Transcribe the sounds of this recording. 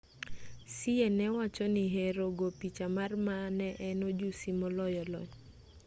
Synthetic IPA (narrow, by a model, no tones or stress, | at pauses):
sɪɛnɛwat͡ʃɔnɪɦeɾoɡopit͡ʃamarmanɛʔɛnod͡ʒusimɔlɔjɔlɔ̰j